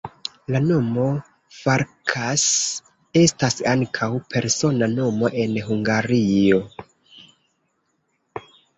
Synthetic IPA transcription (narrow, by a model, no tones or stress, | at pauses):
lano̞mo̞ | faɾkʰas | e̞stasaŋkʰawpʰe̞ɾso̞nano̞mo̞ʔe̞nɦuŋɡaɾio̞